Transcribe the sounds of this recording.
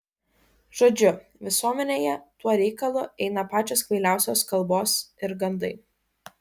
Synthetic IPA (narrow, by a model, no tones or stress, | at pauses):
ʒ̥oːd͡ʒʲʊʋʲɪsuɔmʲɛnʲeːjɛt̪uɔɾʲɛɪkɐlˠʊʔɛɪnɐpɑːt͡ʃʲoːskʋʲɐɪlʲæˑʊsʲoːskɐlˠboːsɪɾɡɐnd̪ɐɪ